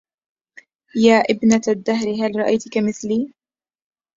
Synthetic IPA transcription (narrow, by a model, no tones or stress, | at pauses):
jaːʔɪbnad̪ːaɦɾɪɦalɾˤɑʔajt̪kamɪθliː